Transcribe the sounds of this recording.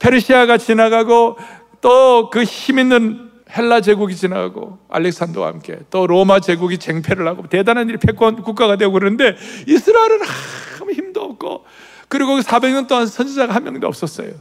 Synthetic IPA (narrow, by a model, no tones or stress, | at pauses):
pʰe̞ɾɯɕʰiaɡat͡ɕinaɡaɡo | t͈ʌkɯçiminːɯn | he̞ɭːad͡ʑe̞ɡuɡit͡ɕina̰ɡa̰ɡo̰a̰lːe̞k̚s͈andʌwa̰ha̰mk͈e̞̰t͈oɾomad͡ʑe̞ɡuɡit͡ɕe̞ŋpʰeɾɯɭhaɡote̞danɦaniɾipʰe̞k͈wʌnkuk͈aɡadweoɡɯɾɯnɯnde̞isʰɯɾaeɾɯnaɯmiçimdoʌp̚k͈o̰ | kɯɾiɡosʰabe̞ŋɲʌnt͈oɦansʰʌnd͡ʑid͡ʑaɡahanmjʌ̰ŋd̪oʌps͈ʌs͈ʌ̰jo